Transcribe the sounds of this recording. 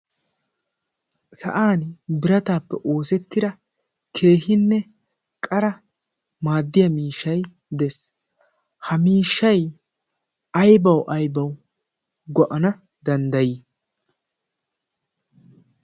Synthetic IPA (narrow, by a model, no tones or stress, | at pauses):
sɐ̰ʔaːnbɪɾɐt̪aːpːɛʔo̞ːsɛt̪ːɪd̪ɐ | kʰe̞ːɦɪnːɛ | kʼɐɾɐ | maːd̪ːɪjɐmiːʃːɐj | d̪ɛs | hɐmiːʃːɐj | ɐjbɐwʔɐjbɐw | ɡɔʔɐnɐ | d̪ɐnd̪ɐji